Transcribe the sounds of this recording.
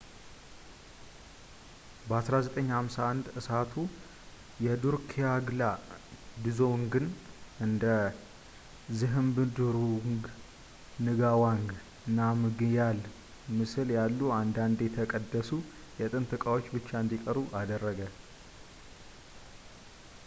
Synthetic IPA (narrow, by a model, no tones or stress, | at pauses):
bəasɾazət̪ʼəɲːhamsaand̪ɨsat̪ʰu | jɛd̪uɾkʰijaɡlad̪ɨzo̞ŋɡɨnɨnd̪ə | zɨɦɨmbɨd̪uɾuŋɡ | nɨɡawaŋɡ | nːamɨɡjal | mɨsɨljalːuand̪and̪ɛt̪ʰəkʼəd̪ːəsu | jɛt̪ʼɨnt̪ʼɨkʼawo̞t͡ʃːbɨt͡ʃːaɨnd̪ikʼəɾuʔad̪ərːəɡə